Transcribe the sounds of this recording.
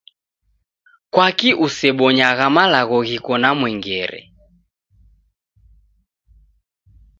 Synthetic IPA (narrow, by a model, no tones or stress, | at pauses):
kwakiʔusɛɓɔɲaɣamalaɣɔɣikɔnamwɛŋɡɛɾɛ̰